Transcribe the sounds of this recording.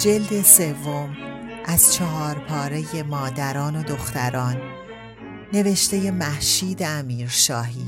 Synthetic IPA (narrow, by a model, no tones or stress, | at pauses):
d͡ʒe̞ld̪e̞se̞vːo̞mʔæz̥t͡ʃʰɒɦɒːɾpʰɒːɾe̞je̞mɒːd̪æɾɒːno̞d̪o̞xt̪æɾɒːnː | e̞ve̞ʃt̪e̞je̞mæhʃiːd̪eæmiːɾʃɒːɦiː